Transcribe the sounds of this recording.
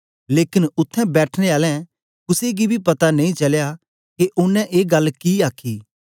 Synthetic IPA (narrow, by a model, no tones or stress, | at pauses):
leːkɪnʊt̪ʰːɛ̃bɛːʈʰneaːlɛ̃ | kʊseɡibʱipɐt̪anẽĩt͡ʃɐlja | keʔʊnːɛ̃ʔeːɡɐlːkiaːkʰːiː